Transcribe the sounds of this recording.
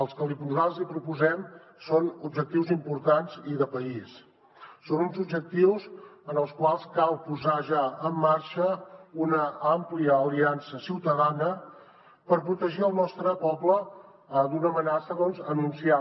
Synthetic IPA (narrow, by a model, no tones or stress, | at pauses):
əlˠskəlipualˠzipɾupuzɛm | sonubʒək̚t̪iwzimpuɾt̪anziðəpəisː | onunzubʒək̚t̪iwzənəlˠskwalˠskalˠpuzaʒaəmːaɾʃəunəampliəːliansəsiwt̪əðanə | pəɾpɾut̪əʒiəlˠnɔst̪ɾəpɔblə | d̪unəmənasəðɔnzənunsia